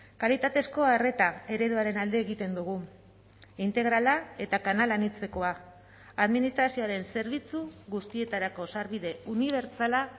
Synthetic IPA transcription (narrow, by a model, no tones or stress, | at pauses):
kalit̪at̪e̞sko̞are̞t̪ae̞ɾe̞ðuaɾe̞nald̪e̞ːɣit̪e̞nd̪uɣu | int̪e̞ɣ̞ɾalae̞t̪akanalanit͡se̞ko̞aː | ðminist̪ɾasio̞aɾe̞nse̞ɾβit͡suɣust̪ie̞t̪aɾako̞saɾβiðe̞uniβ̞e̞ɾt͡sala